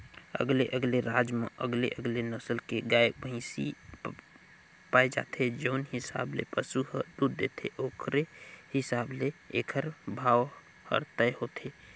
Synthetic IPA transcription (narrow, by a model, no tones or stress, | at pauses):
ə̰ɡleʔəɡleɾaːd͡ʒmḛʔə̰ɡleʔəɡlenəsəlkeɡajbʱə̃ɪ̃si | paːed͡ʒa̰ːt̪ʰed͡ʒəʊnhɪsa̰ːblḛpəsuɦəd̪uɾd̪et̪ʰeʔoːkʰɾehɪsaːbleeːkʰəɾbʱaːw | hə̰ɾt̪əjhot̪ʰe